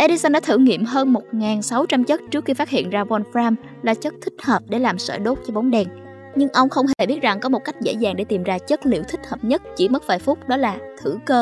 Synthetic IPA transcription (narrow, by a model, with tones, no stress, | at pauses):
ʔe˧ɗi˧sə˧nɗɔ˨˦t̪ʰɨ̰˧˩ŋḭ˧˨əmɦəː˧nmo˨˩t̚ŋaː˨˩nsa˨˦wt͡ɕa˧mt͡ɕə˦˥t̚t͡ɕɨ˦˥ək̚xi˧faː˦˥t̚hḭ˧˨ənzaː˧vɔ˧nfɾaː˧m | laː˨˩t͡ɕə˦˥t̚t̪ʰï˦˥k̟̚həː˨˩p̚ɗe˧˩laː˨˩msə̰ː˧˩ɗo˦˥t̚t͡ɕɔ˧ɓo˨˦nɗɛ˨˩n | ɲɨ˧ŋʔə˧wŋ͡mxə˧wŋ͡mɦe˨˩ɓi˦˥ət̚za˨˩ŋkɔ˨˦mo˨˩t̚ka˦˥jk̟̚zḛ˧˥zaː˨˩ŋɗe˧˩t̪i˨˩mzaː˧t͡ɕə˦˥t̚lḭ˧˨əwt̪ʰï˦˥k̟̚həː˨˩p̚ɲə˦˥t̚t͡ɕi˧˩mə˦˥t̚vaː˨˩jfʊ˦˥k͡p̚ɗɔ˨˦laː˨˩t̪ʰɨ˧˩kəː˧